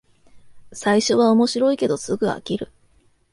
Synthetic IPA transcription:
saiɕo̞βao̞mo̞ɕiɾo̞ike̞d̪o̞sɨɡɯ̟a̰kʲiɾɯ̟

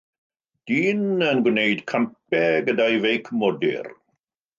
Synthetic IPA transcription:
d̥iːnənɡwnejdkʰamp̚ɛɡədajvejkʰmɔdɪ̰r

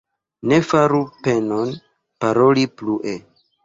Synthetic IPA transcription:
ne̞faɾupe̞non | paɾo̞lipluʔe̞

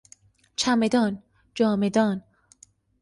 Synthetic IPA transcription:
t͡ʃʰæmed̪ɒːn | d͡ʒɒːmed̪ɒːn

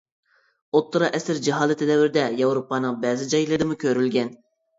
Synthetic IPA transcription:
ot̪ːɨɾɑʔɛsɪɾd͡ʒiɦɑːd̪ɨt̪ʰɪd̪ɛvɪɾd̪ɛjɑwɾopːɑːnɨŋbɛːzɪd͡ʒɑjlˠɨd̪ɨmukʲʰøɾylɡʲɛn

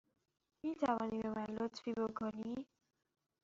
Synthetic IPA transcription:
miːt̪ʰævɒːniːbemænlot̪fiːbokʰoni

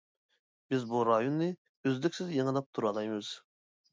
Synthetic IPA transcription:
b̥ɪzbuɾɑjonːɨ | øzlykʲsɪzjəŋəlˠɑp̚t̪ʰuɾɑlˠɑjmɨz̥

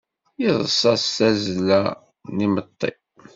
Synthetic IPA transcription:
jiðˤəsˤɑsθæzlæ | nimət̪ˤːḭ

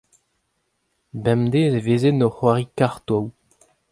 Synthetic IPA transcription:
bɛmd̪eːzeveːzenɔχwaʁikaʁt̪ow

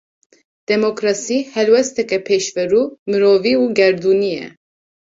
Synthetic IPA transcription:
d̪̥ɛmokɾɑsiihɛlwɛst̪ʰɛkɛpʰɛʃvɛɾumɨɾɔviuɡɛɾd̪uniɛ̰

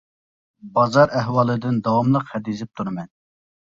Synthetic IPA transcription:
bɑzɑɾʔɛɦwɑlˠɨd̪ɪnd̪ɑwɑmlˠəqhɛd̪iizɪp̚t̪ʰuɾɨmɛn

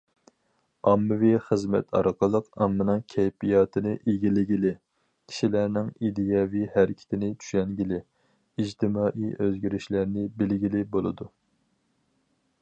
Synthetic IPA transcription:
ɑmːɨviχəzmɛ̰t̪ʰɑ̰ɾqʰəlˠəqɑmːɨnɨŋkʲʰɛjpijɑːt̪ʰɨnɨʔeɡʲilɪɡʲilɪ | kʲʰi̥ʃilæɾnɪŋid̪ijɑvihæɾɪkʲʰɪ̥t̪ʰɪnɪt͡ʃ̪ʰy̥ʃɛŋɡʲilɪ | id͡ʒt̪ʰɪmɑːʔiʔøzɡʲyɾɪʃlæɾnɪbɪlɡʲilɪbolˠɨ̰d̪u

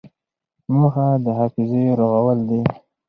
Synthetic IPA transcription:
muxad̪əɦɑfɪzeɾoɣawəld̪i

